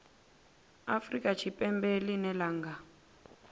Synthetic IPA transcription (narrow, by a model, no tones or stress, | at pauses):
afrikʼat͡ʃʰipʼɛmbelinɛlaːŋɡa